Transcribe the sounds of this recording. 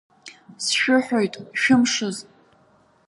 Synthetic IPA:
sʃᶣʊħʷᶣojtʼʃᶣʊmʂɨz

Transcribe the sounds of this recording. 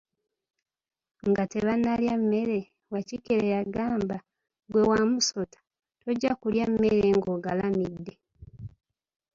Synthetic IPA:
ŋɡate̞βanːaljamːe̞ɾe̞ | wacikeɾejaɡaːmba | ɡwe̞wamuso̞tḁ | toɟːakuljamːeɾeŋɡo̞ɡalamidːe̞

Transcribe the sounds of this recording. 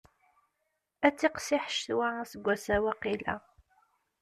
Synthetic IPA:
æt͡sːiqsiħʃθwasəɡʷːæsæwæqilæ̰

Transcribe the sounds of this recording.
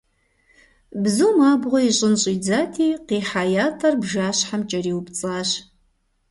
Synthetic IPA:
bzuːmaːbʁʷɔiɕʼɪnɕʼiːd͡zaːtʰiːqiːħaːjaːtʰɐrbʒaːɕħamt͡ʃʼɐriːwpt͡sʼaːɕ

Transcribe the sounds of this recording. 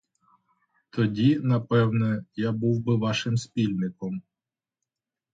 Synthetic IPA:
t̪ɔdʲinɐpɛwnɛjabuwbɪʋɑʃɪmspʲilʲnɪkɔm

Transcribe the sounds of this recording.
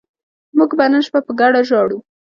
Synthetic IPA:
muɡbanənʃbapəɡaɽaʒɑɽu

